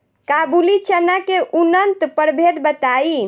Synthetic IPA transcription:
kabulit͡ʃənakeʔunənt̪pəɾbʱed̪bət̪ai

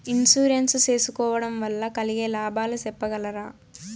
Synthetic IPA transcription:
insuːɾensse̞ːsukɔːʋɐɽɐmʋɐlːɐkɐliɡeːlaːbʱaːlɐsɛpːɐɡɐlɐɾaː

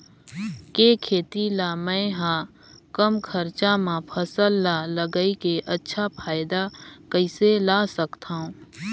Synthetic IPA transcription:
keːkʰeːt̪ilaːmɛ̃ɦã | kəmkʰəɾt͡ʃamãpʰəsəlːaːləɡəikeʔɐtːʃʰapʰaːɪd̪akəɪselaːsəkt̪ʰaɦũː

